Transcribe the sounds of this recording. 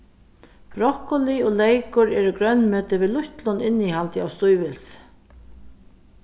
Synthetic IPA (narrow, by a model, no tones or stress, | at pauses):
b̥ɾɔhkʊliɔlɛjkʊɾɛːɾʊɡɾœnːmøːt̪ɪviːlʊçt̪lʊnɪnːihalt̪ɪawst̪ʊjvɪls